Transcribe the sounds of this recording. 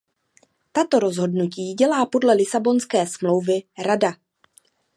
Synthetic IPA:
t̪at̪o̞ɾo̞zɦo̞dnuciːɟɛlaːpo̞dlɛlɪsabo̞nskɛːsmlo̞wvɪɾada

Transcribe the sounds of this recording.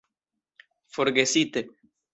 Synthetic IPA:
foɾɡesit̪e

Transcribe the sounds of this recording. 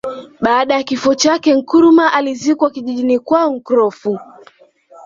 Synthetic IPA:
ɓaːɗajakifɔt͡ʃakɛŋ̩kuɾumaʔalizikwakiʄiʄinikwaɔŋ̩kuɾɔfu

